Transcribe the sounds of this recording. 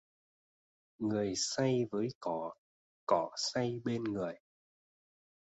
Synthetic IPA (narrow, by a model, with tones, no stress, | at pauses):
ŋɨ˨˩əjsa˧jvəː˨˦jkɔ˧˩˨ | kɔ˧˩sa˧jɓe˧nŋɨ˨˩əj